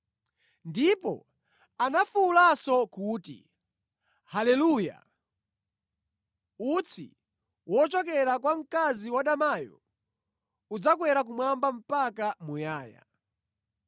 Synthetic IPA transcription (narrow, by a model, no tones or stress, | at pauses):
ndipɔ̰ | anafulasɔkuːtḭ | halɛluːja̰ | ut͡sʰḭ | wɔt͡ʃɔk̬ɛɾakwam̩kaziwaɗamajɔ̰ | ud͡zakwɛɾak̬umwambam̩pakamujaːja̰